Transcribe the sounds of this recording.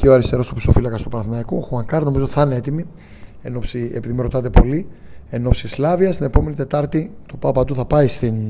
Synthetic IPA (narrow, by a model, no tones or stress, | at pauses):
ceoɐɾist̪e̞ɾo̞st̪upi̥sofilɐkɐst̪opɐnɐθnɐikoxuɐŋkɐɾno̞mizot̪iθɐneet̪imi | e̞no̞psiepiðimiɾo̞t̪ɐt̪̬e̞po̞lie̞no̞psislɐviɐst̪ine̞po̞me̞nit̪e̞t̪ɐɾt̪it̪o̞pɐpɐt̪uθɐpɐist̪in